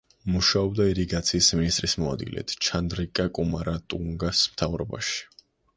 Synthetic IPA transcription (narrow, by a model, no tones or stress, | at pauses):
muʃaɔb̚d̪aiɾiɡat̪sʰiːsminist̪ʼɾismɔa̰d̪ɡḭlɛ̰t̪ʰt͡ʃʰand̪ɾikʼakʼumaɾat̪ʼuŋɡasmt̪ʰavɾɔba̰ʃi̥